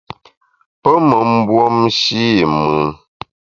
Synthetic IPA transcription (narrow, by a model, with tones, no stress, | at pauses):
pə˦mə˨m̩˦bwo˦mʃi˦mɨː˨